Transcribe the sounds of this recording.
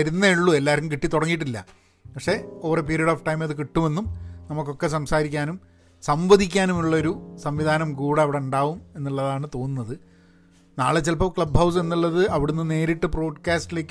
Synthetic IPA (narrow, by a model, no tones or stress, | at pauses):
ɐɾunːɐiɭːue̞lːaːɾumkiʈːit̪ːuɽɐŋːiʈ̬ːilːɐ̰ | pɐkʂe̞oːrep̬eɾijɐɽoːfʈɐjmɐðɨk̬iʈːume̞nːumnɐmukːo̞kːe̞s̬ɐmsaːɾikʲːaːnum | sɐmbɐd̪ʱikʲːaːnumuɭːɐo̞ɾusɐmʋid̪ʱaːnɐmkuːɽe̞ɐʋiɽeuɳɖaːʋume̞nːiɭːɐðaːɳɨt̪o̞ːnːunːɐðɨ | na̰ːɭet͡ɕːelpɐmkɭɐbhɐws̬e̞nːiɭːɐðɨɐʋiɽunːɨne̞ːɾiʈːɨpro̞ːɖkaːsʈile̞ːkː